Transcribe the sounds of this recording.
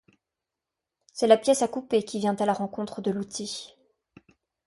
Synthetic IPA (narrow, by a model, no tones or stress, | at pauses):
sɛlapjɛsakupekʲivjɛ̃t̪alaʁɑ̃kɔ̃t̪χəd̪əlut̪ʰi